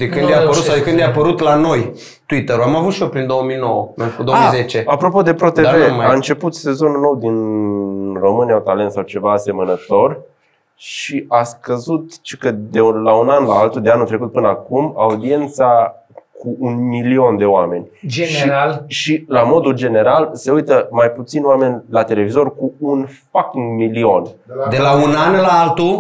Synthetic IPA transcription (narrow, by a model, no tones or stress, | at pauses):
d̪ekɨnd̪japəɾut̪ssawd̪ekɨnd̪japəɾut̪lano̞j | t̪uit̪əɾuamavut̪ʃiopɾind̪o̞wəmijno̞wəmekud̪ooizet͡ʃeapɾo̞po̞d̪e̞pɾo̞t̪eve̞aɨnt͡ʃe̞put̪se̞zo̞nuno̞wd̪in | ro̞mɨniaut̪ale̞nt̪sawt͡ʃe̞vaːse̞mənət̪o̞r | ʃiʔaskəzut̪t͡ʃikəd̪elaunanlaalt̪ud̪e̞anut̪ɾekut̪̚pɨnəakumaud̪ie̞nt̪sa | kʰuʔunmilio̞nd̪e̞oame̞nʲʃalʃilamo̞d̪uld͡ʒe̞ne̞ɾalse̞ujt̪əmajput̪sinowame̞nʲlat̪e̞le̞vizo̞rkuunfakiŋɡmilio̞nd̪elaunanlaalt̪u